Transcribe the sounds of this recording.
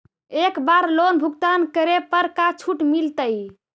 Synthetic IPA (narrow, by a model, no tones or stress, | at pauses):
ekbaɾlonbʱuɡt̪ankəɾepəɾkat͡ʃʰuʈmilt̪əj